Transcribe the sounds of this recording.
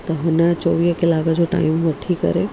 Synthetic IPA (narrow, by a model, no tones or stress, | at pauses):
t̪ɐɦʊnət͡ɕɔʋiːɦkɪlaːkəd͡ʑoʈa̰ːɪmʋɐʈʰikɐ̰ɾe